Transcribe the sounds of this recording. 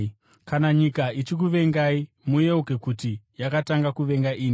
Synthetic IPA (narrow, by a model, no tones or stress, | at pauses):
kanaɲikait͡ʃik̬uʋe̞ŋɡai | mujeuke̞kutijakataŋɡakuʋe̞ŋɡaʔiːni